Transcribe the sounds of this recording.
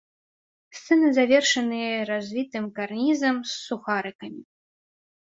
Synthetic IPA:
st̪sɛnɨzavʲɛrʂɐnɨjɐɾazʲvʲit̪ɨmkarnʲizɐmsːuxaɾɨkɐmʲi

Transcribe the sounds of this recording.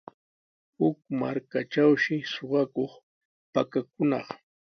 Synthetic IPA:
hʊkma̰ɾkaʈ͡ʂawʃɪsoɢɑkoχ | pakak̚ʊnɑ̰χ

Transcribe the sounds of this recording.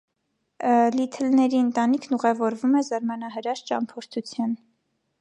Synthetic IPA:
lit̪ʰɛlnɛɾiənt̪ɑnikʰnuʁɛvɔɾvumɛzɑɾmɑnɑɦəɾɑɾt͡ʃɑ̰mpʰɔɾt̪ʰut͡sʰjɑn

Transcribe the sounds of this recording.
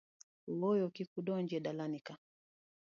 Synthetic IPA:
wɔjɔkikuɗɔɲd͡ʒɛɗalanika

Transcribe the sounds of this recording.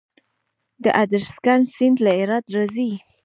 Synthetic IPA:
d̪əʔad̪əɾskansɪnd̪laɪɾɑd̪ɾazi

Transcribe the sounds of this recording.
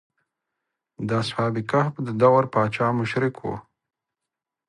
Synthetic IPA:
d̪ashɑːb̪ɪkahbd̪əd̪awaɾpɑːt͡ʃɑːmʊʃɾɪkʰwo̰

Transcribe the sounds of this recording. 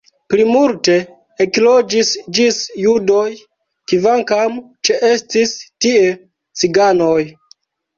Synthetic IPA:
plimulte̞ | eklod͡ʒisd͡ʒisjudo̞j | kivaŋkamt͡ʃeʔe̞stistie | t͡siɡano̞j

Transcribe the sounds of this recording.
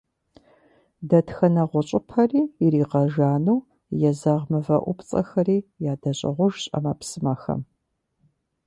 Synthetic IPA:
dɐtxɐnɐʁʷʊɕʼɪpʰɐriːiɾiːqɐʒaːnuw | jɛzaʁmɨvɐ̰ʔʷʊpʰt͡sʼɐ̰xɐriːjaːdɐɕʼɪ̰ʁʷʊʒɕʼɐ̰mɐpsɨmɐxɐ̰m

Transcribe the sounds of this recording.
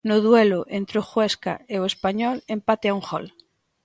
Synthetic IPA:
noðweloʔent̪ɾoxweska̰eoespaɲɔlempat̪eaũŋxo̰l

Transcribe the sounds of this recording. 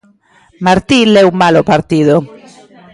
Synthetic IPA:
maɾt̪ilɛumalopaɾt̪ið̞o

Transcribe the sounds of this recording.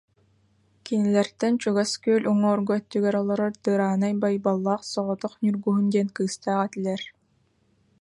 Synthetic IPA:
kinilɛɾt̪ɛnt͡ɕuɡaskøːlʲʔuŋɔːɾɡɔœt̪ːyɡɛɾɔlˠɔɾɔɾt̪ɯːɾaːnajbajbalˠːaːχsɔʁɔt̪ɔχnʲyɾɡuɦund̪iɛnkɯːst̪aːʁat̪ilʲɛɾ

